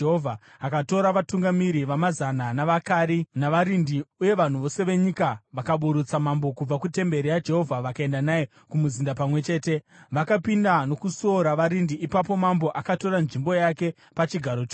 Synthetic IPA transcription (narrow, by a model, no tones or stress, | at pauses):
ɦovʱa | akato̞ɾaʋatuŋɡamiɾiʋamazananaʋakaːɾinaʋaɾindiuje̞ʋan̤uʋo̞se̞ʋe̞ɲikaʋakaɓuɾut͡samambo̞kub͡vakute̞mbe̞ɾijad͡ʒe̞ɦo̞vʱaʋakae̞ndanaje | kumuzindapamwe̞t͡ʃe̞ːte̞ʋakapindano̞kusoɾaʋaɾindiipapo̞mambo̞ʔakato̞ɾanʐimbo̞jake̞ | pat͡ʃiɡʱaɾot͡ʃo